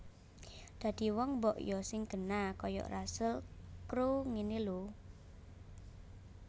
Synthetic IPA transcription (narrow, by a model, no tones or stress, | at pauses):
d̪̥ä̤d̪̥i̤wɔŋmbɔʔjɔsɪŋɡ̥ə̤nakɔjɔ̰ʔrasəlkɾuŋinilu